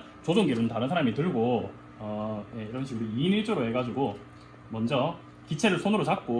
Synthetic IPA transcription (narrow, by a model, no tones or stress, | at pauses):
t͡ɕod͡ʑoŋɡeɾunntaɾɯns̬ʰaɾamitɯɭɡo | ʌje̞iɾʌnɕʰiɡɯɾoiniɭd͡ʑ͈oɾoe̞ɡad͡ʑuɡo | mʌnd͡ʑʌ | kit͡ɕʰe̞ɾɯɭsʰonɯɾot͡ɕak̚k͈o